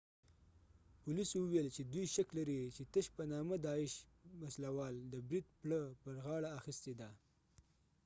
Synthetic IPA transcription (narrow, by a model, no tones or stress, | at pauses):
pʊliswuwelt͡ʃed̪wujʃaklaɾit͡ʃet̪əʃpənɑməd̪ɑɪʃ | waslawɑld̪əbɾid̪̚pɭəpəɾɣɑɽaːxist̪ed̪a